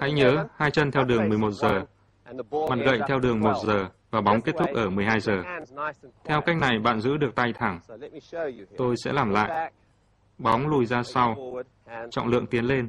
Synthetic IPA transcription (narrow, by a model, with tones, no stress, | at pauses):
ha̰˧˥jɲəː˨˦haː˧jt͡ɕə˧nt̪ʰɛ˧wɗɨ˨˩əŋmɨ˨˩əjmo˨˩t̚zəː˨˩ | ma˨˩t̚ɣə̰˧˨jt̪ʰɛ˧wɗɨ˨˩əŋmo˨˩t̚zəː˨˩vaː˨˩ɓa˨˦wŋ͡mke˦˥t̚t̪ʰʊ˦˥k͡p̚ʔəː˧˩mɨ˨˩əjhaː˧jzəː˨˩ | t̪ʰɛ˧wka˦˥jk̟̚na˨˩jɓa̰ː˧˨nzɨ̰˧˥ɗɨ˨˩ək̚t̪a˧jt̪ʰa˧˩ŋ | t̪o˧jsɛ̰˧˥laː˨˩mla̰ː˧˨jʔ | ɓɔ˨˦wŋ͡mlu˧˩jzaː˧sa˧w | t͡ɕɔ̰˧˨ŋ͡mlɨ̰˧˨əŋt̪i˨˦ənle˧n